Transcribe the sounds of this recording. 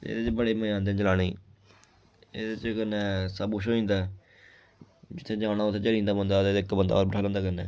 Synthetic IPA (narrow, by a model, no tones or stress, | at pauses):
ḛːd̪et͡ʃbəɽeːməjãːnd̪ẽːd͡ʒəlaːɽeː | ḛːd̪et͡ʃkənɛːsəbuʃoːĩːnd̪a | d͡ʒɪt̪ʰːẽːd͡ʒaːɽ̃aːot̪ʰːẽːt͡ʃəɽĩːnd̪aːbənd̪aːd̪eːd̪eɪkːbənd̪a̰ːɔːɾbəʈʰaːlə̃ːnd̪aːkənːɛ̰ː